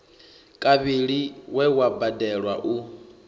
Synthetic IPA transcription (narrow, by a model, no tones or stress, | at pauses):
kʼaβiɺiwɛwabadɛɺwaʔu